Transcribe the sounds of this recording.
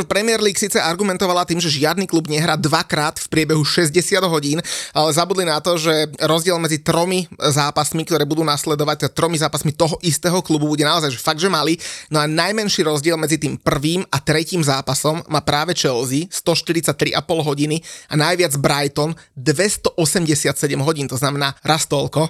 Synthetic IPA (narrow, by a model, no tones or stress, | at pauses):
pɾɛmɪɛɾliːksiːt͡sɛaɾɡumɛnt̪ɔʋalat̪iːmʒɛʒɪad̪niklubɲɛɦɾaːd̪ʋakɾaːt̪fpɾɪɛbɛɦuʃɛzɟɛsɪad̪ɦɔɟiːnalɛzabud̪linat̪ɔʒɛɾɔzɟɪɛlmɛd͡zit̪ɾɔmizaːpasmikt̪ɔɾɛːbud̪uːnaslɛd̪ɔʋac̚t̪ɛd̪at̪ɾɔmizaːpasmit̪ɔɦɔʔist̪ɛːɦɔklububuɟɛnaɔzajʒɛfaɡd̪ʒɛmalinɔanajmɛnʃiːɾɔzɟɪɛlˠmɛd͡zit̪iːmpr̩ʋiːmat̪ɾɛciːmzaːpasɔmːaːpɾaːʋɛt͡ʃɛlzist̪ɔʃt̪iɾit̪t͡sac̚t̪ɾḭʔapɔlɦɔɟinianajʋɪad͡zbɾajt̪ɔnd̪ʋɛst̪ɔʔɔsɛmɟɛsɪat̪sɛɟɛmɦɔɟiːnt̪ɔznamɛnaːɾast̪ɔlkɔ